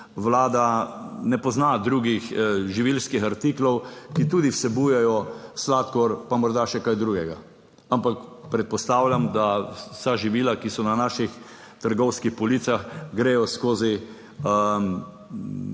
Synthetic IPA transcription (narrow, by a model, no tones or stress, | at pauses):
ʋlaːd̪anɛpɔznad̪ɾuːɡixʒiʋilskixaɾt̪iːklɔwkit̪uːd̪iwsɛbujɛjɔslat̪kɔɾpamɔɾd̪aʃɛkajd̪ɾuːɡɛɡa | ampakpɾɛt̪̚pɔst̪aːwlʲjamd̪asaʒiʋiːlakisɔnanaːʃix | t̪əɾɡɔwskixpɔliːt̪saxɡɾeːjɔskoːzi | ə